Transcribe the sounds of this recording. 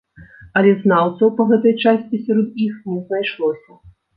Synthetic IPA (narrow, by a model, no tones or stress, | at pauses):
ɐlʲɛznawt̪sɐwpɐɣɛt̪ɐjt͡ʂasʲt͡sʲisʲaɾɔd̪ixnʲɛznajʂlˠɔsʲɐ